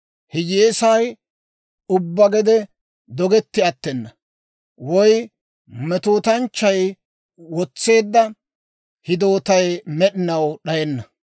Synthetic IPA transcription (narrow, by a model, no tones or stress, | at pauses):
hɪd͡ʒeːsɐj | ʊbːɐɡɛd̪ɛ | d̪ɔɡɛt̪ːɪɐt̪ːɛnːɐ | wɔj | mɛt̪oːt̪ɐnt͡ʃːɐj | wɔt͡sːe̞ːd̪ːɐ | hɪd̪o̞ːt̪ɐjmɛɗɪnɐwɗɐjɛnːɐ